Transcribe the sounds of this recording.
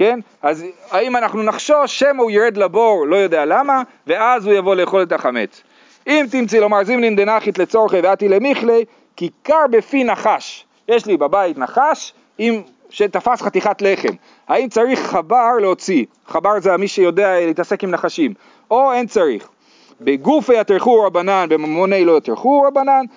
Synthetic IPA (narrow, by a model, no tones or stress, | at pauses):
ken | azhaimanaχnunaχʃo̞ʃemauiɾed̪labo̞ʁlo̞jo̞d̪ealama | ve̞azhujavo̞le̞ːχo̞let̪aχame̞̰t͡s | imt̪imt͡silomaʁzimlind̪enaχit̪let͡soʁχeveat̪ilemiχle | kikaʁbefinaχaʃ | jeʃlibabait̪naχaʃ | im | ʃet̪afasχat̪iχatle̞χe̞̰m | haimt͡saʁiχːabaʁleo̞t͡si | χabaʁzeamiʃejo̞d̪ealeit̪ase̞kimnaχaʃim | o̞e̞nt͡saʁḭχ | beɡufejat̪ʁeχuʁabananbemamonejlo̞jat̪eχuʁabanan